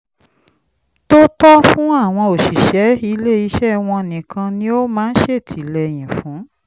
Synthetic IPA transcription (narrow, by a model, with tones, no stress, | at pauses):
to˦tɔ˦fũ˦a˦˨w̃ɔ̃˧o˨ʃi˨ʃɛ˨˦i˧le˦i˧˦ʃɛ˦w̃ɔ̃˧˨nĩ˨kʰã˧nĩ˦o˦mãː˦˧n̩˦ʃe˦˨tʰi˨lɛ˧˨j̃ĩ˨fũ˨˦